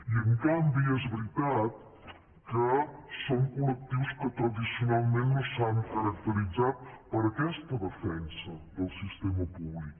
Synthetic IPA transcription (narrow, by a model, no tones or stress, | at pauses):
iəŋkambiɛzβɾit̪at̪̚ | kəsoŋkulək̚t̪iwskət̪ɾəðisiunalˠmenːosaŋkəɾək̚t̪əɾid͡zat̪̚pəɾəkɛst̪əðəfɛnsəðəlˠsist̪eməpuβlik